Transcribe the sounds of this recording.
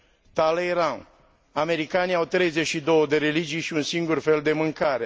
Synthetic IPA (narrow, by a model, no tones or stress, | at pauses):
t̪alejɾan | ame̞ɾikaniawt̪ɾe̞jze̞t͡ʃʃid̪o̞wəd̪e̞ɾe̞lid͡ʒijʃiunsiŋɡurfe̞ld̪e̞mɨŋkaɾe̞